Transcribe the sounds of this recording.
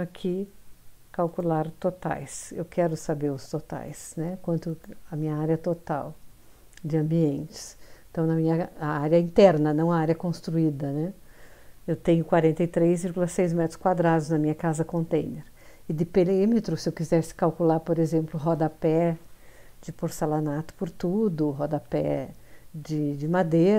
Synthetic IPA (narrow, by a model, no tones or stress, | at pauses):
akʰi | kawkulaɾt̪ot̪a̰jsḛwkʰɛɾʊsabeɾʊst̪ot̪a̰jsnɛkwɐ̃nt̪ʊɐmĩɲɐaɾjɐt̪ot̪a̰w | d͡ʒɪɐ̃mbiẽnt͡ʃɪ̥sẽt̪ɐ̃w̃nɐmĩɲɐaaɾjɐĩnt̪ɛɾnɐnɐ̃w̃ɐaɾjɐkõst̪ɾuid̪ɐnɛ | ewt̪ẽɲʊkwaɾẽnt̪ɐjt̪ɾejzviɾɡulɐsejzmɛt̪ɾʊ̥skwad̪ɾad̪ʊznɐmĩɲɐkazɐkõnt̪ẽj̃neɾ | ɪd̪ɪpelemit̪ɾʊsɪewkizɛɾsɪ̥kawkulaɾpoɾezẽmplʊɦɔd̪ɐpɛ | d͡ʒɪpoɾsalanat̪ʊ̥pʊɾt̪ud̪ʊɦɔd̪ɐpɛ̰ | d͡ʒɪd͡ʒɪmad̪eɐ